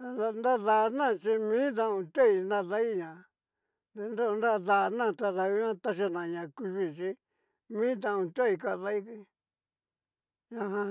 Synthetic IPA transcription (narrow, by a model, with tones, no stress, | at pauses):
a˧nd̪a˦ða˧˨˧nã˦˨t͡ʃi˧mĩ˦t̪̬ã˧ũ˧t̪o˦i˧na˦ða˦i˦ɲã˨ | d̪e˧nd̪o˦˧nd̪a˦ða˧nã˦˨t̪a˧ða˧u˧˦ɲã˦t̪a˧ʃa˧˨nã˨ɲã˨ku˧ʒi˧˨t͡ʃi˧˦ | mĩ˦t̪̬ã˧ũ˧t̪o˦i˧ka˦˨ða˦i˦ki˧ | ɲã˧ɦã˧